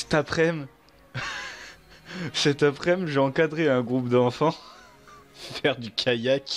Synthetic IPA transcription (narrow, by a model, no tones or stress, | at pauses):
sɛ̥t̪apχɛm | sɛt̪apχɛmʒeɑ̃kad̪ʁeɛ̃ɡʁupd̪ɑ̃fɑ̃ | fɛʁd̪ykʲʰajak